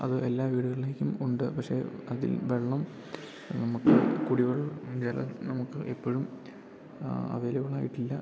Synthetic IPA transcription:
ɐ̰ðɨe̞lːaːʋiːɽuɣɐɭileːkʲːumuɳɖɨpɐkʂe̞̰ːɐðḭlʋeɭːɐm | nɐmukːɨkuɽiɣɐɭd͡ʑɐlɐ̰nɐmukːɨʔepːoɻum | ɐ̰ʋeːlɐɣɐɭaːjiʈːilːɐ

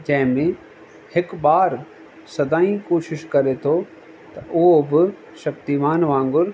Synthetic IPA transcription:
d͡ʑɐ̃ɦɪ̃mẽ | hɪkbaːɾ | sɐd̪aːĩkoːʃɪʃkɐɾet̪ʰo | t̪ɐʔʊɦobɪ | ʃɐkt̪imaːnʋãːŋɡʊɾ

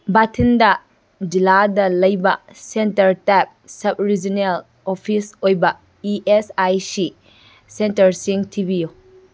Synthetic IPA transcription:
batʰindɐ | d͡ʒiladɐlɐjbɐsentɐɾtap̚sɐb̚ɾid͡ʒinel | opʰisojbɐ | iʔesajsi | sentɐɾsiŋtʰibijo

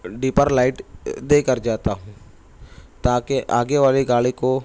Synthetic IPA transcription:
ɖiːpəɾlaːɪʈd̪eːkəɾd͡ʒaːt̪aɦũː | t̪aːkeʔaːɡeʋaːliɡaːɭiko

